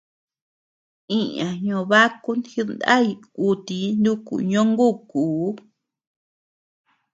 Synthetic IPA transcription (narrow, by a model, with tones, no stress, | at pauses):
ĩ˦ɲã˨ɲõ˧βa˦ku˦nhi˧nd̪a˦i˧ku˧t̪i˧nd̪u˦kṵ˨ɲõ˦ŋɡu˦˨kuː˨˦